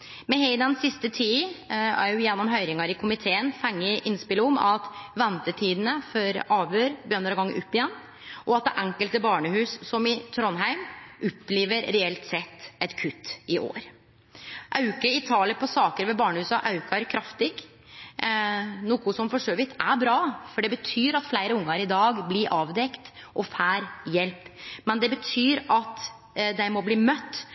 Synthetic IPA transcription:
mɛhɛɪd̪ɛnsɪst̪ət̪ʰiːæ̰ɾjʊjɛnːɔmɦœʏɾɪŋɑɾɪkʰʊmɪt̪ʰeːənfæŋːəʔɪnspɪləɔmɑt̪ʋɛnt̪ət̪ʰiːd̪ənəfɔɾɑːʋøːɾbəjœnəɾɡɑŋ̰ːʔʊpːɪjɛnː | ʔɔɑt̪̚d̪ɛʔɛŋkəlt̪əbɑːɳəhʉːssɔmɪt̪ʰɾɔnɦæɪmʔɔpːleːʋəɾɾɛɛlt̪sɛt̪ːɛt̪kʰʉt̪ːɪʔo̰ːɾ | ʔɑʉkəɪt̪ʰɑːləɾpʰɔsɑːkəɾʋɛbɑːɳəhʉːsɑʔɑʉkɑɾkʰɾɑft̪ɪɡ | nuːkʊsɔmfɔʂoːʋɪt̪ʰæɾbɾɑːfɔɖɛbət̪ʰyːɾɑt̪flæɪɾəʊŋːɑɾɪd̪ɑːɡblɪɾʔɑːʋd̪ɛkt̪ʔɔfæːɾjɛlpmɛnd̪ɛbət̪ʰyːɾɑt̪ | d̪æɪmɔbliːmœt̪ː

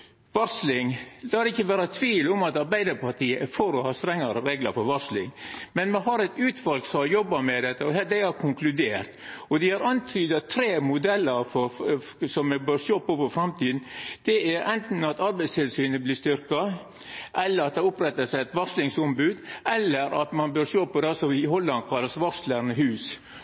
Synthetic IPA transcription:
ʋɑɾslɪŋlɑːhɑɾɪçːəʋæːɾɑt̪ʰʋiːlʊmɑt̪ɑɾbæɪd̪əɾpʰɑʈ̪ʰiːəʔæfɔɾɔhɑːst̪ɾɛŋːɑɾəɾeːɡlɑ̰ɾfɔɾʋɑʂlɪ̰ŋmɛnmɛɦɑɾɛt̪ʉːt̪ʰʋɑlɡksɔmhɑɾjɔbːɑmɛd̪ɛt̪ːəɔhæd̪æɪhæɾkʰʊŋklʉd̪eːɾt̪ɔd̪ɛhɑɾɑnt̪ʰyːd̪ɑt̪ʰːɾeːmʊd̪ɛlːəɾfɔ | sɔmːɛbøːɾʂoːpɔpɔfɾɑmt̪iːd̪n̩d̪̥ɛæɾʔɛnt̪n̩ɑt̪ɑɾbæɪst̪ʰɪlsyːnəblist̪ʏɾkɑ | ʔɛlːəɾɑt̪̚d̪ɛʊpɾɛt̪ːəsæɪɛt̪ʋɑslɪŋsɔmbʉːd̪ɛlːəɾɑ̰t̪mɑnbøːɾʂoːpɔd̪ɛsɔʋɪɦɔlːɑn̚kʰɑlːəsʋɑsləɾnəhʉːs

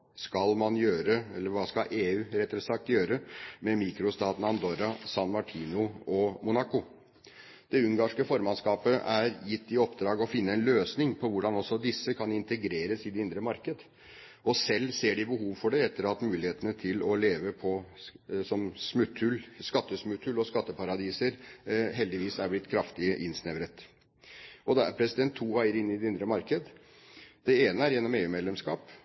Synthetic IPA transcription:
skɑlmɑnjøːɾəɛlːəɾʋɑːskɑʔeːʉːɾɛt̪ːɾɛsɑk̚t̪jøːɾəmɛmiːkɾʊst̪ɑːd̪nɑnd̪oːɾɑsɑnmɑʈʰiːnʊɔmʊnɑkʊ | d̪̥ɛʉŋɡɑːʂkəfɔɾmɑnskɑːpəæɾjɪt̪ːɪɔpd̪ɾɑːɡɔfɪnːəɛnløːsnɪŋpʰɔʋʊɖɑnɔsːɔd̪ɪsːəkʰɑnɪnt̪əɡɾeːɾəsɪd̪ɛɪnd̪ɾəmɑɾkəd̪ə | ɔsɛlːseːɖɪbəɦuːʋfɔɖɛɛt̪ːəɾɑt̪mʉːlɪheːt̪ənət̪ʰɪlɔleːʋəpʰɔ | sɔmsmʉt̪ʰːʉlskɑt̪ːəsmʉt̪ʰʉlɔskɑt̪ːəpʰɑɾɑd̪iːsəɾɦɛld̪ɪʋiːsæɾblɪt̪kʰɾɑft̪ɪəʔɪnsnɛʋɾət̪ | ɔd̪ɛæ̰ɾpʰɾɛsɪd̪ɛnt̪ʰːuːæɪəɾɪnːɪd̪ɛɪnd̪ɾəmɑɾkəd̪ə | d̪̥ɛeːnəæɾjɛnːɔmeːʉːmɛd̪ɛmskɑ̰ːp

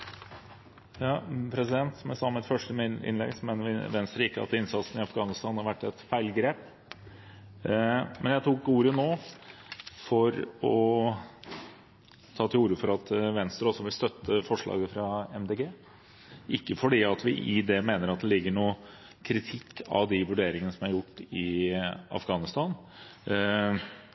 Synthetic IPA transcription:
jɑːpʰɾɛsɪd̪ɛnt̪smɛsɑmɛt̪fœʂʈəɪ̰nlɛ̰ɡsɔmeːnəʋɪʋɛnst̪ɾəɪkːəɑ̰t̪ɪnsɑt̪sn̩ɪɑfɡɑːnɪst̪ɑːnhɑɾʋæʈːɛt̪fæɪlɡɾeːp | mʔɛnjæɪt̪ʰʊkuːɾənoː | fɔɾɔ | t̪ʰɑːt̪ʰɪluːɾəfɔɾɑt̪ʋɛnst̪ɾɔsːɔʋɪlst̪œt̪ːəfɔʂɭɑ̰ːɡəfɾɑɛmd̪eːɡeː | ʔɪkːəfɔɖiːɑt̪ʋɪʔɪd̪ɛmeːnəɾɑt̪̚d̪ɛlɪɡːəɳuː | kʰɾɪt̪ʰɪkʰːɑ̰ʋd̪ɪʋʉɖeːɾɪŋənəsɔmæɾjʊʈːɪɑ̰fɡɑːnɪst̪ɑn

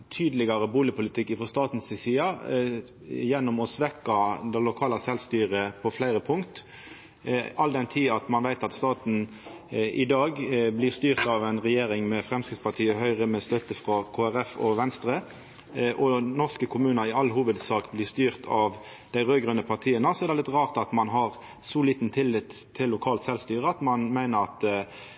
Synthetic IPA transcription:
t̪ʰyːd̪lɪɡɑʁəbuːlɪəpʰʊlɪt̪ʰɪkːɪfɔʁst̪ɑːt̪n̩sɪsiːɑ | jɛnːʊmɔsʋɛkːɑd̪ɛlʊkʰɑːlɑsɛlst̪yːʁəpʰɔflæɪɾəpʰʊŋkt̪ | ɑld̪ɛnt̪ʰiːɑt̪mɑnʋæɪt̪ɑt̪st̪ɑːt̪n̩ | ɪd̪ɑːɡblɪʁst̪yːʁt̪ɑʋɛɪnʁɛjeːɾɪŋmɛfʁɛmskɪt̪spʰɑʁʈ̪ʰiːəɦœʏʁəmɛst̪œt̪əfʁɑkʰoːæʁɛfɔ̰ʋɛnst̪ʁə | ʔɔnɔʁskəkʰʊmʉːnəɾɪɑlːhuːʋəd̪sɑːkblɪst̪yːʁt̪ʰɑʋ | d̪̥æɪʁøːɡʁœnəpʰɑʁt̪ʰiːənəsɔɛʁd̪ɛlɪt̪ʁɑːʁt̪ɑt̪mɑnɦɑʁ | sɔliːt̪n̩t̪ʰɪlːɪt̪ʰːɪlːʊkʰɑːlt̪sɛlst̪yːʁəɑt̪mɑnmæɪnəʁɑt̪

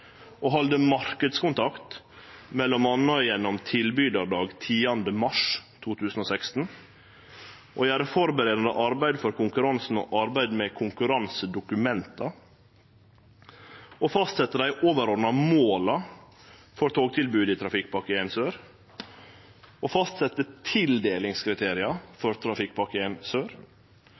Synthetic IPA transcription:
ʔoːɦɑld̪əmɑɾkəd̪skʊnt̪ʰɑkt̪ | mɛlːɔmɑnɔɪjɛnːɔmt̪ʰɪlbyːd̪ɑɾɖɑːɡt̪ʰiːɑnd̪əmɑʂt̪ʰuːt̪ʰʉːsn̩oːsɛkst̪n̩ | ʔo̰jæːɾəfɔɾbəɾeːd̪ɑnə̰ʔɑɾbæɪd̪fɔɾkʰʊŋkʉɾɑnsn̩o̰ːʔɑɾbæɪd̪meːkʰʊŋkʉɾɑnsəd̪ʊkʉmɛnt̪ɑ | ofɑst̪sɛt̪ːəd̪æɪʔoːʋəɾɔːd̪nɑmoːlɑ | fɔɾt̪ʰoːɡt̪ʰɪlbʉːd̪iːt̪ʰɾɑfɪk̚ːpɑkəeɪnsøːɾ | ʔofɑst̪sɛt̪ːət̪ʰɪld̪eːlɪŋskʰɾɪt̪ʰeːɾɪɑfɔɾt̪ʰɾɑfɪkpɑkəensøːɾ

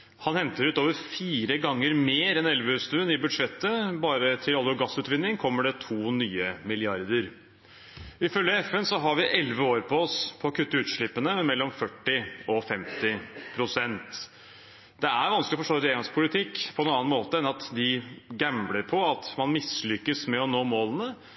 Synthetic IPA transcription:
hɑnhɛnt̪əɾʉːt̪oːʋəɾfiːɾəɡɑŋːəɾmeːɾɛnɛlʋəʉːst̪ʉːənɪbʉd̪ʂɛt̪ːəbɑːɾət̪ʰɪlɑlʋoːɡɑsʉːt̪ʋɪnːɪŋkʰɔmːəɖɛt̪ʰuːnyːəmɪlɪɑɾd̪əɾ | ɪfœlːjəɛfɛnsɔɦɑɾʋɪʔɛlʋəoːɾpʰɔɔspʰɔːkʰʉt̪ːəʉːt̪ʂɭɪpːənəɛmɛlːɔmfœʈːɪɔfɛmt̪ɪpʰɾʊsɛnt̪ | d̪ɛæɾʋɑnsklɔfɔʂʈoːɾeɑŋspʰʊlɪt̪ʰɪkːpʰɔɛnːɑnːɑnmoːt̪əɛnɑt̪d̪ɪɡæmləɾpʰɔɑt̪mɑnmɪslʏkːəsmɛɔnoːmoːlənə

